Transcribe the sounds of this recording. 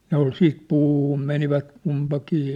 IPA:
ne ol siːt puːhum meniʋæt kumpɑkiː

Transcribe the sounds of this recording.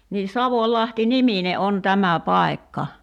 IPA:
niː sɑʋolʲlɑhti nimine ʔon tæmæ pɑˑi̞kːɑ

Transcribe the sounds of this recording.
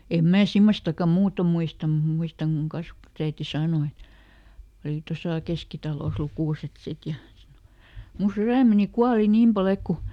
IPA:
em mæː simːostɑkːɑ muːto muistɑm mut muistɑŋ kuŋ kɑsʋɑ̆tusæiti sɑːno et oli tosɑˑ keskitɑloˑs lukuˑset sit jɑ mu syræˑmeni kuɑli niːm pɑl ek ku

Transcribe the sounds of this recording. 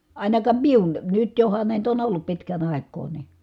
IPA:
ɑˑi̯nɑkɑːm miun nyt johɑn næˑit on olːup pitkæn ɑˑi̯kˑoː ni

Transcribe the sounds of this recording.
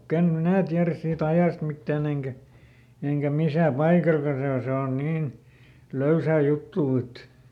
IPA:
ikæn minæˑ tiæræs siːt ɑjɑˑst mitːæːn eŋkæ eŋkæ misæˑ pɑikɑlkɑ se o se on niːn løysæˑ jutːuː et

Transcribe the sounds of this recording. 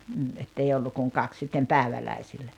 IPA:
m̩ː etːei olːu kuŋ kɑks sitːem pæˑeʋælæisilːæ

